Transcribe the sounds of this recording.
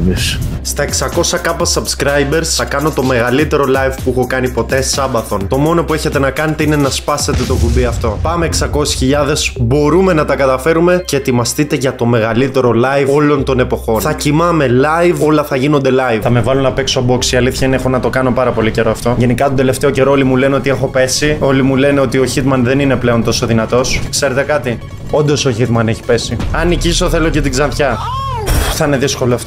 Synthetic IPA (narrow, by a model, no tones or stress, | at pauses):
isst̪ɐeksɐko̞sɐkɐpɐsɐbskɾɐjbe̞ɾsθɐkɐno̞t̪o̞me̞ɣɐlit̪e̞ɾo̞lɐjvpuixo̞kɐnipo̞t̪e̞sɐbɐθo̞nt̪o̞mo̞no̞pue̞çe̞t̪e̞nɐkɐne̞t̪einenɐspɐse̞t̪e̞t̪okubiɐft̪o̞pɐmeːksɐko̞si̥sçiʎɐðe̞z̥bo̞ɾume̞nɐt̪ɐkɐt̪ɐfe̞ɾume̞ce̞ːt̪imɐst̪it̪e̞ʝɐt̪o̞me̞ɣɐlit̪e̞ɾo̞lɐjvo̞lo̞nt̪o̞ne̞po̞xo̞nθɐcimɐme̞lɐjvo̞lɐθɐʝino̞nd̪e̞lɐjvθɐme̞vɐlunɐpe̞ksobo̞ksiɐliθçɐinexo̞nɐt̪o̞kɐno̞pɐɾɐpo̞lice̞ɾoɐft̪o̞ʝe̞nikɐt̪od̪e̞le̞ft̪e̞oce̞ɾo̞olimule̞neo̞t̪ie̞xo̞pe̞sio̞limule̞neo̞t̪io̞çit̪mɐnðe̞nine̞ple̞o̞nt̪o̞so̞ðinɐt̪o̞skse̞ɾe̞t̪e̞kɐt̪i | o̞nd̪o̞soçit̪mɐne̞çi̥pe̞siɐniciso̞θe̞lo̞ce̞t̪iɡzɐnçɐ | θɐine̞ðisko̞loɐft̪